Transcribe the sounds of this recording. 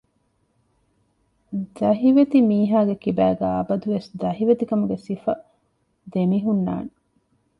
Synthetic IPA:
d̪ɐɦiʋet̪imiːɦaːɡekibæːɡæɐbɐd̪uʋesd̪ɐɦiʋet̪ikɐmuɡesifɐ | d̪emiɦunːa̰ːne

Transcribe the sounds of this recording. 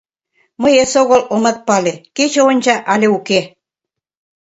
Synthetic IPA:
mɤjesoɣolʔomɑt̪̚pɑleket͡ɕeonʲt͡ɕɑʔɑlʲeuke

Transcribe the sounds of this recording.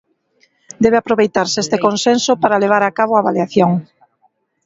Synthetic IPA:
d̪ɛβ̞eapɾoβejt̪aɾsest̪ekonsensʊpaɾaleβ̞aɾakaβ̞oaβaljaθjoŋ

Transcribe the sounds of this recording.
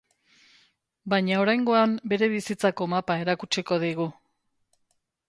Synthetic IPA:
bajɲao̞ɾajŋɡo̞ambe̞ɾe̞β̞isit͡sako̞mapae̞ɾakut͡ʃeko̞ðiɣu

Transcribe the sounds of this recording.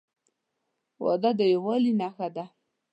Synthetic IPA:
wɑ̰d̪ad̪əjawɑlinaxad̪a

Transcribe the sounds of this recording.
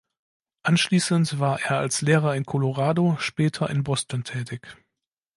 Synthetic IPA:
ʔanʃliːsəntv̥aːɐʔeːɐalsleːʁ̞ɐɪnkʰɔloʁaːdoʃpɛːtʰɐʔɪ̰nbɔstantʰɛːtʰɪç

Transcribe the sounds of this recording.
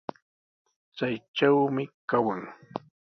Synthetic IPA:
t͡sajʈ͡ʂawmɪkawaŋ

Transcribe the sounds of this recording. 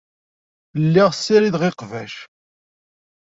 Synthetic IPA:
əlːiʁsːiɾiðʁeqvæʃ

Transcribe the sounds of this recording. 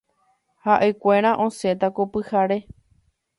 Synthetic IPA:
haʔe̞kʷeɾ̃ãʔõse̞t̪akopɨhaɾe

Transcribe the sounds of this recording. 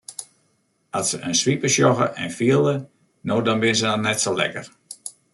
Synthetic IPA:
asəʔənsʋipəʃjɔɣə̰ʔɛ̰nfiəlˠə | noːdɔnbɪnəs̬ənɔnɛtsolɛ̰kə̰r

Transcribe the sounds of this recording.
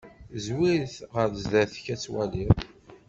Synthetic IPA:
zwiɾθʁəɾðzðæθçæt͡sːwæ̰lið

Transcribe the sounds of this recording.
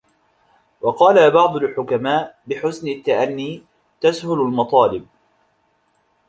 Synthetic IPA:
wɑqɑːlabɑʕd̪ˤʊlħʊkamaːʔbɪħʊsnɪt̪ːaʔanːiː | t̪ashʊlalmɑt̪ˤɑːlɪb̚

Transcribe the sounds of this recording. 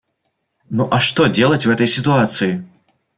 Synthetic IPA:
nuʔɐʂt̪ɔd͡zʲelˠɐt͡sʲwɦɛt̪ɐjsʲit̪uat̪sɨji

